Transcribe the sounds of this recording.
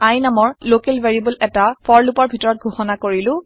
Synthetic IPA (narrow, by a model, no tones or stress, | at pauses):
ajnamɔɹlokelveɹiibulɛtapʰɔɹlupɔɹbʱitɔɹɔt̚ɡʱoxɔnakoɹilʊ̃